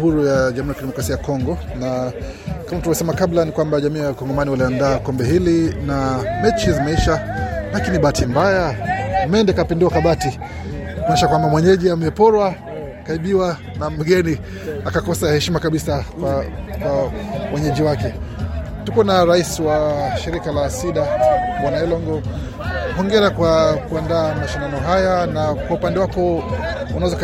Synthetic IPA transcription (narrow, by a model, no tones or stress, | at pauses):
huɾujaʄamuɾjakidɛmɔkɾasiajakɔŋɡɔna | kamamtuavjɔsɛmakablanikwambaʄamiːwalkɔŋɡɔmaniwaliandaːkɔmbɛɦilinamɛt͡ʃizimɛiʃalakiniɓaːtimbajamɛndɛkapinduwakaɓati | kunaɛʃakwambamwɛɲɛʄiamɛpɔɾwa | kaiɓiwa | nam̩ɡɛni | akakɔsahɛʃimakaɓisa | kwawɛɲɛʄiwakɛ | tukuɛnaɾaisiwaʃiɾikalasiɗaɓwanaɛlɔŋɡɔ | hɔŋɡɛɾakwakuandaːmaʃandanɔɦajanakwaupandɛwakɔ | unazɔk